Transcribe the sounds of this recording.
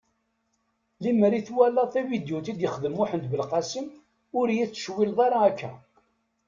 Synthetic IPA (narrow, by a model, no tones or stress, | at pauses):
liməɾiθwælæθævid̪jut̪id̪jəχðəmʊħənt̪bəlqɑsim | ʊɾjiθt͡sːə̥ʃwilðˤɑɾɑækːæ̰